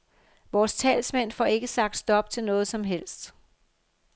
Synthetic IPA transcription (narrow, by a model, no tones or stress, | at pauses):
ʋɒːst͡sʰɛ̰ːlsmen̰fɒːe̝ɡ̥əsɑ̈ɡ̥d̥sd̥ɒ̽b̥̚t͡sʰe̝lnɔ̽ːð̞̩ˠsɒ̽mɦel̰sd̥